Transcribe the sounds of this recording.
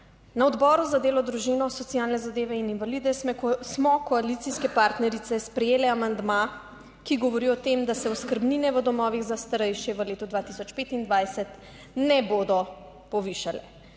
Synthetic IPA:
naɔd̪bɔɾuzad̪eːlɔd̪ɾuʒinɔsɔt̪sijalnɛzad̪eːʋɛininʋalid̪ɛsmɛksmɔkɔalit̪siskɛpaɾt̪nɛɾit̪sɛspɾɛjeːlɛamand̪ma | kiɡɔʋɔɾiɔt̪emd̪asɛɔskəɾbninɛʋəd̪ɔmɔːʋiɣzast̪aɾɛjʃjɛʋəleːt̪ud̪ʋaːt̪isɔt͡ʃpeːt̪ind̪ʋajsɛt̪ | nɛboːd̪ɔ | pɔʋiʃalɛ

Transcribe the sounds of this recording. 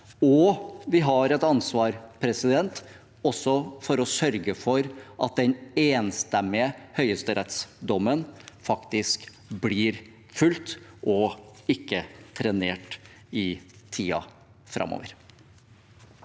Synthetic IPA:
ɔʋɪɦɑɾɛt̪ɑnsʋɑːɾpʰɾɛsɪd̪ɛnt̪ | ɔsɔfɔɾɔsœɾɡəfɔɾʔɑ̰t̪̚d̪ɛneːnst̪ɛmːɪəhœʏəst̪əɾɛt̪sd̪ɔmːənfɑkt̪ɪsk | bliːɾ | fʉlt̪ʔɔɪkːət̪ʰɾɛneːʈɪt̪ʰiːɑ̰ | fɾʔɑ̰mo̰ːʋəɾ

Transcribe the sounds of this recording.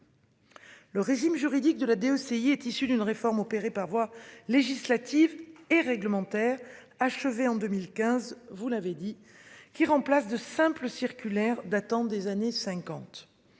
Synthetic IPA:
ləʁeʒimʒyʁid̪ik̚d̪əlad̪eøseiɛt̪isyd̪ynʁefɔʁmɔpeʁepaʁvwaleʒislat̪iveʁɛɡləmɑ̃t̪ɛʁ | aʃəveɑ̃d̪əmilkʲɛ̃zvulaved̪i | kʲiʁɑ̃plasd̪əsɛ̃pləsiʁkʲylɛʁd̪at̪ɑ̃d̪ezanesɛ̃kɑ̃t̪

